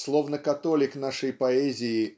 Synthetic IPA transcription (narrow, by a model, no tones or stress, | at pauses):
slˠovnəkɐt̪olʲɪknaʂəjpɐɛzʲɪɪ